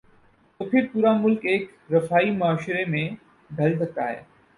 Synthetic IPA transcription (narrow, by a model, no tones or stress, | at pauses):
t̪oːpʰiɾpuːɾamʊlkeːk | ɾɐfaːimɐaːʃɾemẽ | ɡ̪ʱɐls̬ɐk̚t̪a̰ːɦḛː